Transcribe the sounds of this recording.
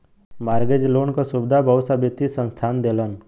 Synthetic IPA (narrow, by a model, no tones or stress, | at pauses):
maːɾɡed͡ʒloːnkasʊbd̪ʱabʱəʋsabɪt̪isə̃nst̪ʰaːnd̪elən